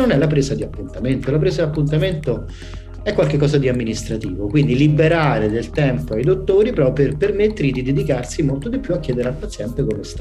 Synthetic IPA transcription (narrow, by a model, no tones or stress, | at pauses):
nonɛlapɾeːzad̪iapːunt̪ament̪olap̬ɾeːszad̪iapːunt̪̬ament̪o | ɛkːwalkekːɔːzad̪iamːinist̪ɾat̪iːvokwind̪ilibeɾaːɾed̪elt̪ɛmpoajd̪ot̪ːoːɾipɾɔperpermet̪ːeɾid̪id̪ed̪ikarsimolt̪od̪ipːjuakːjɛːd̪eɾealpat̪sjɛnt̪ekomest̪